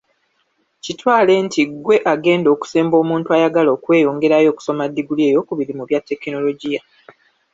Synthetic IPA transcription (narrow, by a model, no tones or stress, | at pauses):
citwaːle̞ːntʰiɡwe̞ʔaɡe̞ːndo̞ːku̥se̞ːmbo̞ːmuːntuajaɡalo̞ːkwe̞ːjo̞ːŋɡe̞ɾajo̞ːku̥so̞madːiɡulie̞ːjo̞kuβiɾimuβjatːe̞kino̞lo̞ɟija